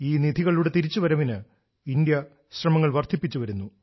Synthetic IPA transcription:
iːnid̪ʱiɣɐɭuɽe̞t̪iɾit͡ɕːuʋɐɾɐʋinɨ | ind̪jɐ | ɕrɐmɐŋːɐɭʋɐrt̪ʰipːit͡ɕːuʋɐɾunːu

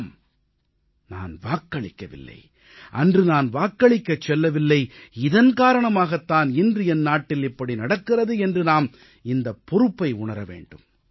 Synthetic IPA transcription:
m | na̰ːnʋaːkːɐɭɪkːɐʋɪ̰lːɐ̰ɪ | ʔɐndrɯnaːnʋaːkːɐɭɪkːɐt͡ʃːɛlːɐʋɪlːɐɪɪðɐnkaːɾɐɳɐmaːɣɐt̪ːaːnɪndrɯɛnnːaːʈːɪlɪpːɐɽinɐɽɐkːɪrɐðɯɛndrɯnaːm | ɪnd̪ɐpːɔɾɯpːɐɪʊɳɐɾɐʋḛːɳɖɯm

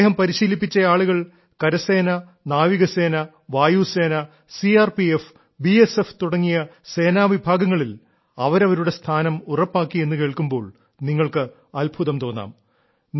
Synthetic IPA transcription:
ɦɐmpɐɾiɕiːlip̬ːit͡ɕːɐjaːɭuɣɐɭ | kɐɾɐse̞ːnɐ | naːʋiɣɐse̞ːnɐ | ʋaːjuːse̞ːnɐ | siaːrpief | biese̞ft̪uɽɐŋːijɐse̞ːnaːʋibʱaːɡɐŋːɐɭil | ɐʋɐɾɐʋɐɾuɽe̞st̪ʰaːnɐmurɐpːaːkːije̞nːɨke̞ːɭkumbo̞ːɭ | niŋːɐɭkɨ | ɐlbʱuðɐmt̪o̞ːnːa̰ːm | n

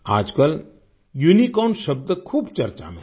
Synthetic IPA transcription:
a̰ːd͡ʒkəl | junikɔːnʃɐb̚d̪əkʰuːbt͡ʃɐɾt͡ʃa̰mḛ̃

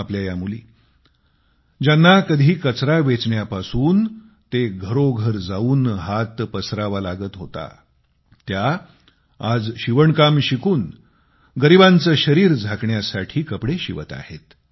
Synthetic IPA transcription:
apljajamulḭː | d͡ʑanːakəd̪ʱiːkət͡sɾaʋet͡sɳjapasuːn | t̪eɡʱəɾoɡʱəɾd͡zauːnɦat̪pəsɾaʋalaɡət̪ɦot̪a̰ | t̪ja | ad͡zɕiʋəɳkamɕikuːn | ɡəɾibãnt͡səːɕəɾiːɾd͡zʱakɳjasaʈʰiːkəpɽeɕiʋə̰t̪a̰het̪

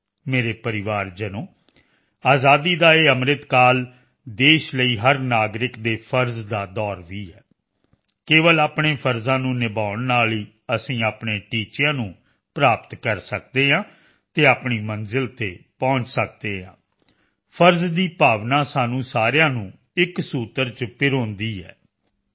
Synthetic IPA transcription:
meːɾeːpəɾɪʋaːɾd͡ʒənõː | aːzaːd̪iːd̪aːeːəmɾɪt̪kaːl | d̪eːʃləiːɦəɾnaːɡɾɪkd̪eːpʰəɾzd̪aːd̪ɔːɾʋiːɦɛː | keːʋəlaːpɳeːpʰəɾzãːnũːnɪbaːʊɳnaːliː | əsĩːaːpɳeːʈiːt͡ʃjãːnũː | pɾaːpət̪kəɾsəkd̪eːɦãː | t̪eːaːpɳiːmənzɪlt̪eːpɔ̃ːɲt͡ʃsək̚d̪eːɦã̰ː | pʰəɾzd̪iːpaːʋnãːsaːnũːsaːɾjãːnũː | ɪksuːt̪əɾt͡ʃpɪɾõːnd̪iːɦɛ̰ː

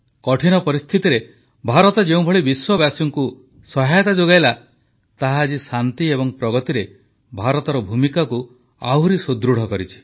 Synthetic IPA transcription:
kɔʈʰinɔpɔɾist̪ʰit̪iɾe | bʱaɾɔt̪ɔd͡ʒeũbʱɔɭibiswɔbjasjɔŋku | sɔɦajɔt̪ad͡ʒoɡajla | t̪aɦaːd͡ʒisant̪iebɔŋpɾɔɡɔt̪iɾe | bʱaɾɔt̪ɔɾɔbʱumikaku | a̰ɦuɾisod̪ɾuɽ̤ɔkɔɾit͡ʃʰi̥

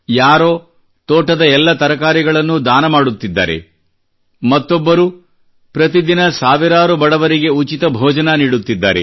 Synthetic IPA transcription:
jaːɾoː | t̪ɔːʈɐd̪ɐɛlːɐt̪ɐɾɐkaːɾiɡɐɭɐnːud̪aːnɐmaːɽut̪ːid̪ːa̰ːɾe̞̰ | mɐt̪ːɔbːɐɾu | pɾɐt̪id̪inɐsaːʋiɾaːɾubɐɽɐʋɐɾiɡe̞ut͡ʃit̪ɐbʱɔːd͡ʒɐnɐniːɽut̪ːid̪ːa̰ːɾe

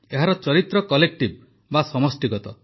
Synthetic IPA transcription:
eɦaɾɔt͡ʃɔɾit̪ɾɔkɔlek̚ʈib̚ | basɔmɔsʈiɡɔt̪ɔ

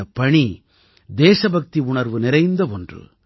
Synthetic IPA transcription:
ɐpɐɳi | d̪eːsɐbɐk̚t̪iʊɳɐɾʋɯnɪɾɐɪnd̪ɐɔndrɯ̰

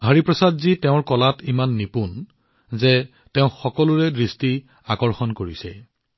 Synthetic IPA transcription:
ɦəɹipɹɔsadziteʊ̃ɹkɔlatimanːipun | zɛ | teʊ̃xɔkɔlʊɹɛdɹisti | akɔɹxɔnkoɹisɛ̰

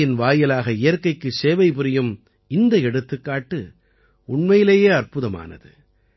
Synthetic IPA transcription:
ɪnʋaːjɐlaːɣɐɪjɐɾkɐɪkːɯseːʋɐɪpɯɾɪjɯm | ɪnd̪ɐɛɽɯt̪ːɯkːaːʈːɯ | ʊɳmɐjɪleːjeːɐrpʊðɐma̰ːnɐ̰ðɯ̰

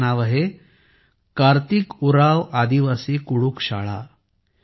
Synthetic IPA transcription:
naʋəɦe | kaɾt̪ikuɾaʋad̪iʋasiːkuɽuːkɕa̰ɭa̰

